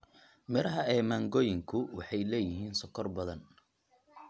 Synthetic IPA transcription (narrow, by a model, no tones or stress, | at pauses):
mɪɾɐɦɐɛːmaːŋɡɔːjɪŋkʰʊwɑħɑjlɛːjɪɦiːnsɔkʰɔrbɐðɐn